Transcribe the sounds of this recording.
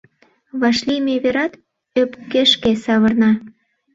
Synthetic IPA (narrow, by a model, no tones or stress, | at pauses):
βɑʃlimeβeɾɑt̪ | øpkeʃkesɑβərnɑ